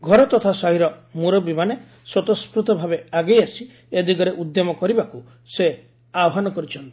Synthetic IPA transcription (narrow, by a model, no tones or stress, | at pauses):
ɡʱɔɾɔt̪ɔt̪ʰasaɦiɾɔmuɾɔbimane | swɔt̪ɔskɾut̪ɔbʱabeaɡejasi | ed̪ikɔɾeʔud̪jɔmɔkɔɾibaku | se | aɔɦanɔkɔɾit͡ʃʰɔnt̪i̥